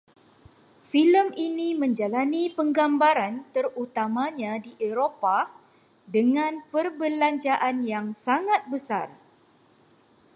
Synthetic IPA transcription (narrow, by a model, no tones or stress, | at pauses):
filəminĩmə̃ɲd͡ʒalanĩpəŋɡambaɾant̪ərut̪amãɲãdiʔeɾopa | dəŋãnpərbəlaɲt͡ʃaʔanjaŋsaŋat̪̚bəsa̰r